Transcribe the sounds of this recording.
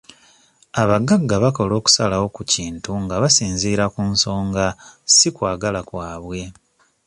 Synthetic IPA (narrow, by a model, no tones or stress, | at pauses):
aβaɡaɡːaβako̞lo̞ːku̥salawo̞kuciːntuŋɡaβasiːnziːɾakunso̞ːŋɡasikwaːɡalakwaːβwe̞